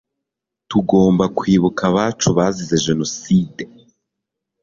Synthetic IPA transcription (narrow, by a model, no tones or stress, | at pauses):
tuɡo̞ːmbakwiːβukʰaβaːt͡ʃuβazize̞ʒe̞no̞siːde